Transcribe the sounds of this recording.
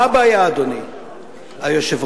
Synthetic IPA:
abajaːd̪oni | ajoʃev

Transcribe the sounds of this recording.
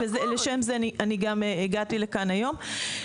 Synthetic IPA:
vezeleʃe̞mzeaniʔaniɡameeɡatilekanajo̞m

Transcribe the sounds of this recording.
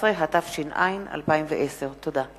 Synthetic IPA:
ʁeɦatafʃinʔa̰jina̰lpaimvḛʔese̞ʁt̪oda

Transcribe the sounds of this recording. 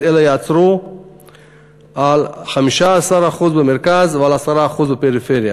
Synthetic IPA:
elajeat͡sʁu | alχamiʃaːsaʁaχuzbemeʁkazvealasaɾaːχuzbepeʁifeʁja

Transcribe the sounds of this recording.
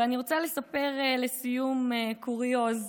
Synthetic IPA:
aniʁo̞t͡sale̞sapeʁele̞sijumekuʁijoz

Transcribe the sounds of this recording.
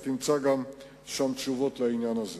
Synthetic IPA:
t̪int͡sʰɑɡɑm | ʃɑmt͡ʃuvɔt̪ʰlɑinjɑnɑz

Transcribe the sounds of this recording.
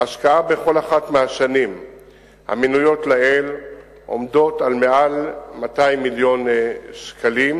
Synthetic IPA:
aʃkaabe̞χo̞laχatmeaʃanim | ha̰minujo̞tlael | ʔo̞̰mdo̞talmealmatajmːiljo̞nskʰalim

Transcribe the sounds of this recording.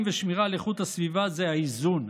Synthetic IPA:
mveʃmiʁaleχut̪hasvivazeaizun

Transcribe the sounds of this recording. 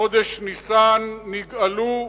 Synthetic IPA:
od̪eʃnisaːnːiɡɐluː

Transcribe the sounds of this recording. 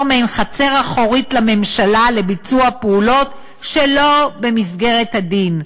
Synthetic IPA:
meenχat͡se̞ʁaχo̞ʁitlame̞mʃalale̞bit͡suapeulo̞t | ʃelo̞be̞misɡe̞ʁe̞thadin

